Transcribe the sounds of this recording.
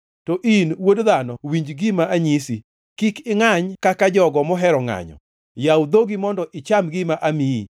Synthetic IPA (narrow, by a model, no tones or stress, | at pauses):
tɔʔinwodðanɔwiɲd͡ʒɡimaʔaɲisi | kikɪŋaɲkakad͡ʒɔɡɔmɔɦɛɾɔŋa̰ɲɔ̰ | jawd̪oɡimɔndɔʔɪt͡ʃamɡɪmaʔamiḭ